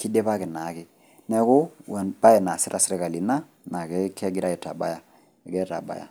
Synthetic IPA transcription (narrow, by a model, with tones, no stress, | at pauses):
ki˦dɛ˦pa˦kɛ˨na˨˦kɪ˨ | nɛ˦kʊ˦wɛ˨nba˦jɛ˨na˨sɪ˦ɾa˨sɪ˦ɾɛ˦ka˨li˨na˦ | na˨kɛ˦kɛ˦ɡi˦ɾa˦ɛ˨ta̰˨ba̰˦ja˨ | ɛ˨ɡɛ˦ɾa̰˨ba̰˦ja̰˨